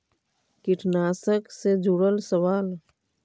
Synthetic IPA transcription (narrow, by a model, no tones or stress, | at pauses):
kɪʈʰnaːsəksed͡ʒuɽəlsəwaːl